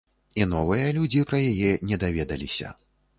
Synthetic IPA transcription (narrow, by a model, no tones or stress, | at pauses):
inɔvɨjɐlʲud͡zʲipɾɐjajɛnʲɛd̪avʲɛd̪ɐlʲisʲɐ̰